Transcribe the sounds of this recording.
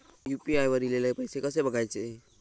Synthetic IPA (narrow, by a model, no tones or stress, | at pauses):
juːpiajʋəɾilelaepəjsekəsebəɡʱaet͡ʃe